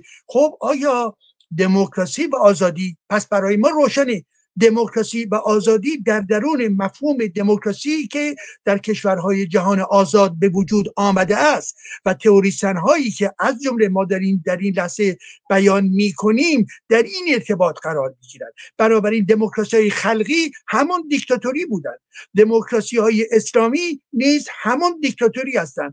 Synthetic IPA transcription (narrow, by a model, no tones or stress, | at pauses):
xobɒːjɒː | d̪e̞mokʰɾɒːsiːvæɒːzɒːd̪iːpʰæsb̥æɾɒːjemɒːɾoːʃæne | d̪e̞mokʰɾɒːsiːvæʔɒːzɒːd̪iːd̪æɾd̪æɾuːne̞mæfhuːme̞d̪e̞mokʰɾɒːsiːcʰe̞d̪̥æɾcʰe̞ʃvæɾɦɒːje̞d͡ʒæɦɒːneʔɒːzɒːd̪̚be̞vod͡ʒuːd̪ɒːmæd̪eæst̪væt̪ʰe̞oɾiːsænɦɒːiːkʰe̞ʔæzd͡ʒomle̞mɒːd̪æɾiːnd̪æɾiːnlæhze̞b̥æjɒːnmiːkʰo̞niːmd̪̥æɾiːne̞ɾt̪ʰe̞bɒːt̪ʰɢæɾɒːɾmiːɡiːɾæ̰nd̪̥b̥ænɒːbæɾiːnd̪e̞mokɾɒsihɒːjexælɢiːhæmɔnd̪ikt̪ʰɒt̪ʰoɾiːbuːd̪ænd̪̥d̪e̞mokʰɾɒsiːhɒːjeʔeslɒːmiːniːzhæmɔnd̪ik̚t̪ʰɒt̪ʰoɾiːhæst̪ænd̪